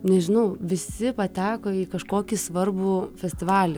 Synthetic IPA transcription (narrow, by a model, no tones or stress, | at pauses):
nʲɛʒʲɪnɐʊʋʲɪsʲɪpɐt̪ʲæːkoːikɐʃkoːkʲisʋɐrbufʲɛsʲt̪ʲɪʋɑːlʲɛ